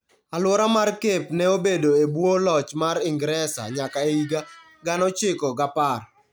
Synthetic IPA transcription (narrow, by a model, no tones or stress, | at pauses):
alwɔɾamarkepnɛobedoebwolɔt͡ʃmaɾɪŋɡɾɛsa̰ɲakaeiɡa | ɡanɔt͡ʃɪkɔɡapar